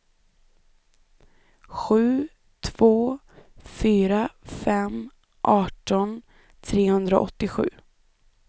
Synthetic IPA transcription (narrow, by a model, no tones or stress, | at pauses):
ɧʉ̟ː | t̪ʰv̥oː | fyːɾafɛm | ʔɑːʈɔn | t̪ʰɾeːhɵnd̪ɾaʔɔ̰t̪ːɪɧʉ̟̰ː